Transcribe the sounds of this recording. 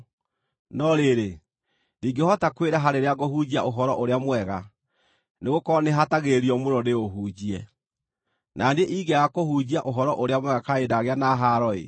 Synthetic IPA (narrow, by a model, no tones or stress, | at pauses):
nɔɾeɾe | diːŋɡehɔtakweɾaɦaɾeɾeaɣohud͡ʑia̰ʔoɦɔɾɔʔoɾeamwɛɣa | neɣokɔneɦataɣeɾiɔmoɾɔneoɦuːd͡ʑiɛ | nʔandeʔiɡɛɣakohuːd͡ʑiaʔoɦɔɾɔʔoɾeamwɛɣakaedaɣeanaɦaɾɔḛ